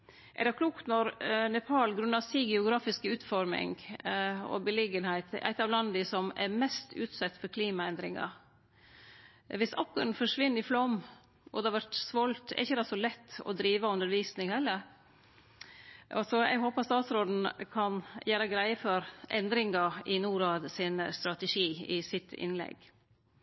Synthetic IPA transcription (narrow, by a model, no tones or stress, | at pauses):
ʔɛ̰ɾɖɛkʰluːkt̪nɔɾnɛpʰɑːlɡɾʉnːɑsiːɡɛʊɡɾɑːfɪskəʉːt̪fɔɾmɪ̰ŋ | ɔ̰bəlɪɡənhæɪt̪æ̰ɪt̪ːɑʋlɑnːd̪ɪsɔmɛ̰ɾmɛst̪ʉːt̪sɛt̪ːfɔɾkʰliːmɑɛnd̪ɾɪŋɑ̰ | ʋɪsɑkːəɾnfɔʂʋɪnːɪflɔm | ɔ̰d̪ɛɑʋæʈsʋɔlt̪ɛ̰ɾɪçːəd̪ɑsɔlɛt̪ːɔ̰d̪ɾiːʋəʉnd̪əɾʋiːsnɪŋhɛlːəɾ | ɑsɔɛ̰ɡɦoːpɑt̪st̪ɑːt̪sɾoːd̪n̩kʰɑnjæːɾəɡɾæɪəfɔɾʔɛnd̪ɾɪŋɑʔɪnuːɾɑːd̪sɪnst̪ɾɑt̪ɛʂiːɪsɪt̪ʰɪ̰nlɛ̰ɡ